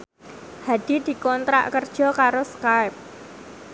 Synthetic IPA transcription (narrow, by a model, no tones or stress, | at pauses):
had̪̥i̤d̪̥i̤kɔnt̪ɾa̰ʔkərd̥ʒ̥ɔ̤kaɾoskajp̚